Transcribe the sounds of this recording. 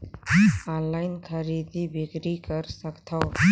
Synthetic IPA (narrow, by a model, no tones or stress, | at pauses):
ɔnlaɪnkʰəɾid̪ibikɾikəɾsəkt̪ʰaw